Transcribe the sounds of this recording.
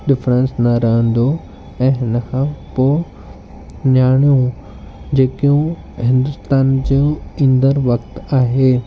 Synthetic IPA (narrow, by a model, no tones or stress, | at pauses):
ɗɪfɾə̃nsnɐɾɐɦə̃nd̪o | ɛ̃ːɦɪnəkʰãːpoː | ɲaːɽ̃ijũ | d͡ʑeːkijũ | ɦɪ̃nd̪ʊst̪aːnd͡ʑĩĩnd̪əɾʋɐkt̪aːɦeː